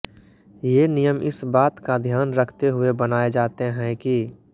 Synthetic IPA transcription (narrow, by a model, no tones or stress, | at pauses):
jenijəmʔɪ̰sbaːt̪kad̪ʱjaːnɾəkʰt̪eɦʊebənaːed͡ʒaːt̪eɦɛ̃ki